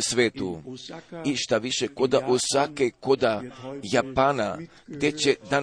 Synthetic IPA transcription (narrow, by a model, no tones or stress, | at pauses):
sʋeːt̪u | iʃt̪aʋiʃeko̞d̪aʔosʋakeko̞d̪ajapaːna | ɡd̪je̞t͡ɕed̪an